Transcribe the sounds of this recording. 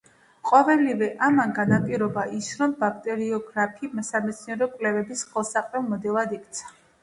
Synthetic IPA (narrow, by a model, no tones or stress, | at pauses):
qʼɔvɛlivɛʔamanɡanapʼiɾɔbaʔisɾɔmbak̚ʰʼt̪ʼɛɾiɔɡɾapʰimɛsamɛt̪sʰniɛɾɔkʼvlɛvɛbisχɛlˠsaqʼɾɛlˠmɔd̪ɛlˠad̪ikʰt̪sʰḁ